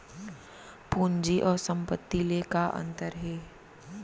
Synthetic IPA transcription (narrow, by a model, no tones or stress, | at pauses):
puːnd͡ʒiʔɔːɾsə̃mpət̪ːilekaʔɐ̰̃nt̪əɾɦeː